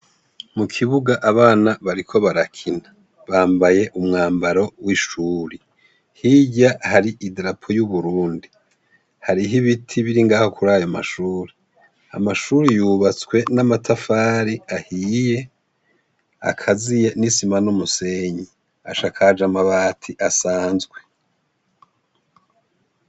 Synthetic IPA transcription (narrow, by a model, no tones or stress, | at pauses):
mukʰiβuɡaʔaβaːnaβaɾikʰo̞βaɾakʰina | βaːmbaje̞ʔumŋaːmbaɾo̞wiʃuːɾi | hiɟahaɾiʔidɾapʰo̞juβuɾuːndi | haɾiɦiβitʰiβiɾiŋɡaːho̞kʰuɾaːjo̞ma̰ʃuːɾi | a̰maʃuɾijuβat͡swe̞namatʰafaːɾiahije̞ | a̰kʰazije̞nisimanomuse̞ɲi | a̰ʃakʰad͡ʒamaβaːtʰiʔasaːnzɡwe̞